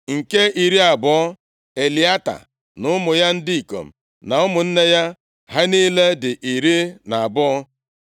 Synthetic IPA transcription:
ŋ̩˨ke˦i˨ɾi˦a˨bʊ˨ɔ˦ | e˨li˨a˦ta̰˨ | nʊ˦mʊ˨ja˦n̩˦di˦i˨ko̰˨m̩˨ | na˨ʊ˦mʊ˨n̩˦ne˦ja˦ | ha˦ni˦le˦dɪ˨ʔi˨ɾi˦na˨a˨bʊ˦ɔ˦

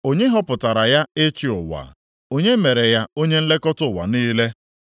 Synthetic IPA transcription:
o˦ɲe˦ɦɔ˦pʊ˨ta˨ɾa˨ja˦ɪ˦t͡ʃi˦ʊ̰˨wa̰˨ | o˦ɲe˦me˨ɾe˨ja˦o˦ɲe˦n̩˦le˦kɔ˦tʊ˦˨wa̰˨niː˦le˦

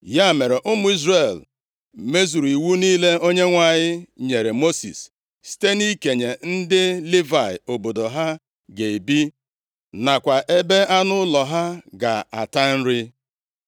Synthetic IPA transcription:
ja˦˨me˨ɾe˨ʔʊ˦mʊ˦i˦zre˨l̩˨ | me˦zu˨ɾu˨i˨wu˦niː˦le˦o˦ɲe˦ŋʷa˨ɲɪ˦ɲe˨ɾe˨mo˦sḭ˨s | si̥˦te˦ni˦ke˨ɲe˨n̩˦dɪ˦li˦va˨ɪ̰˨o˨bo˨do˨ɦa˦ | ɡe˨i˨bi˦ | na˨kʷa˨ʔe˦be˦a˦nʊ˦lɔ˨ɦa˦ɡa̰˨a̰˨ta˦n̩˦ɾɪ˦

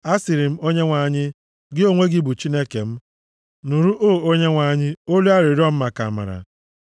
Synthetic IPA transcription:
a˦sɪ˨ɾɪ˨m̩˦o˦ɲe˦ŋʷa˨˦ɲɪ˦ | ɡɪ˦o˦ŋʷe˦ɡɪ˦bu˨t͡ʃi˦ne˦ke˨m̩˦ | nu˨ɾu˦ʔoː˦˨o˦ɲe˦ŋʷa˨˦ɲɪ˦o˦lu˦a˦ɾɪ˨˦ɾɔ˦m̩˦ma˨ka˨ma̰˨ɾa̰˨

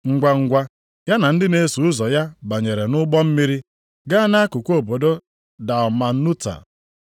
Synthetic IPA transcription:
ŋ̩˨ɡʷa˨ŋ̩˨ɡʷa˦ | ja˦na˨n̩˦dɪ˦ne˦su˨ʊ˦zɔ˨ja˦ba˨ɲe˨ɾe˨nʊ˦ɡ͡bɔ˦m̩˦mi˦ɾi˦ | ɡa˦na˦a˦kʊ˨kʷo˦˨bo˨do˦ | da˨ɔ˨ma˨˦nu˦ta̰˨

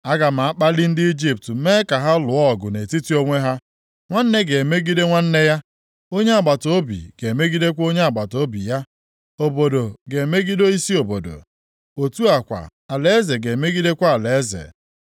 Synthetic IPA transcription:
a˦ɡa˨ma˨a˦k͡pa˦li˦n̩˦dɪ˦i˦d͡ʒi˦p̚tme˦ka˨ɦa˦lʊ˨ɔ˦˨ɡʊ˨ne˨ti˦ti˦o˦ŋʷe˦ɦa˦ | ŋʷa˦n̩˦ne˦ɡe˨e˨me˦ɡi˦de˦ŋʷa˦n̩˦ne˦ja˦ | o˦ɲe˦a˨ɡ͡ba˨to˦bḭ˨ɡ̥e˨e˨me˦ɡi˦de˦kʷo˦ɲe˦a˨ɡ͡ba˨to˦bi˨ja˦ | o˨bo˨do˨ɡe˨e˨me˦ɡi˦do˦i˦si˦o˨bo̰˨do̰˨ | o˨tu˦a˨kʷa̰˨a˨le˦e˦ze˨ɡe˨me˦ɡi˦de˦kʷa˦a˨le˨e˦zḛ˨

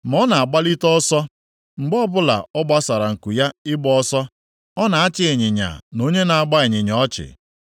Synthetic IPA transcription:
m˨ɔ˦na˨a˨ɡ͡ba˦li˦tɔ˦sɔ˦ | ŋ͡m̩˨ɡ͡bɔ˦bʊ˦la̰˨ɔ˦ɡ͡ba˦sa˨ɾa˨ŋ̩˨ku˨ja˦ɪ˦ɡ͡bɔ˦ɔ˦sɔ˦ | ɔ˦na˨a˦t͡ʃɪ˦e˨ɲɪ˨ɲa̰˨no˦ɲe˦na˨a˨ɡ͡ba˦e˨ɲɪ˨ɲ˨ɔ˦t͡ʃɪ̰˨

